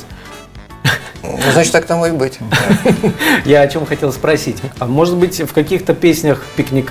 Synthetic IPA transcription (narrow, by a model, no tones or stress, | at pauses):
znat͡ɕɪ̥t̪ːak̚t̪amobɨtʲ | jaɐt͡ɕo̞mxɐtʲe̞lˠspɾɐsʲitʲmo̞ʐɨd̪bɨtʲfkɐkʲixt̪əpʲesʲnʲəxpʲɪknʲɪk